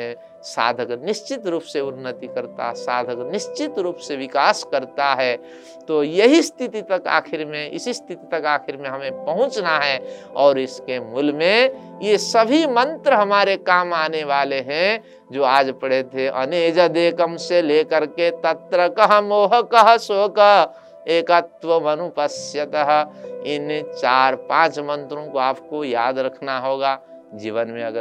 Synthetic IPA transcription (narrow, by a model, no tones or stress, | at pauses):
ẽ | sa̰ːd̪ʱəknɪst͡ʃɪt̪ɾuːpseʊnːət̪ikəɾt̪a̰ɦsa̰ːd̪ʱəknɪst͡ʃɪt̪ɾuːpseʋɪkaːskəɾt̪aɦɛː | t̪oːjɐɦist̪ʰɪt̪it̪ɐka̰ːkʰɪɾmẽɪ̰sist̪ʰit̪it̪ɐkaːkʰɪɾmẽɦɐmẽpɐɦʊ̃t͡ʃnaɦɛː | ɔːɾɪskemʊlmẽ | jesəbʱimə̃nt̪ɾəɦɐmaːɾekaːmaːneʋaːleɦɛ̃ | d͡ʒoːaːd͡ʒpɐɽ̤et̪ʰeʔɐ̰neːd͡ʒəd̪eːkəmseleːkəɾket̪ɐt̪ɾəkəɦəmoːɦəkəɦəsoːkə | eːkət̪ʋəmɐnupəsjət̪əɦɪnt͡ʃaːɾpãːt͡ʃmə̃nt̪ɾõkoaːpkojaːd̪ɾɐkʰnaɦoːɡaː | d͡ʒiːʋənmẽɐɡə